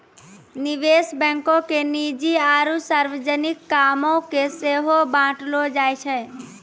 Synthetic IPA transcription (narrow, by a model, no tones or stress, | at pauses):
niʋesbɛ̃ŋkõkenid͡ʒiaːɾusaɾʋəd͡ʒənikːamõkeseɦobãːʈlod͡ʒaːjt͡ʃʰɛ